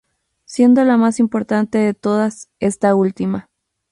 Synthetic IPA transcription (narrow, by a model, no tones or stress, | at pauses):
sje̞nd̪o̞lamasimpo̞ɾt̪ant̪e̞ðe̞t̪o̞ð̞ase̞st̪ault̪ima